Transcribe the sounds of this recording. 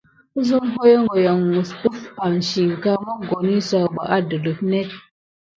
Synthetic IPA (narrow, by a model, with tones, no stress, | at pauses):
zu˦m˦ɦo˦jɔ˦ŋ˦ɡɔ˨ja˨ŋ˨ŋu˨su˦fa˨n̩˨ʃi˨ŋ̩˨ka˦mɔ˦ɡɔ˨ni˦sa˦˨ba̰˨ʔa˦dɨ˨lu˨p̚nɛ˦t̚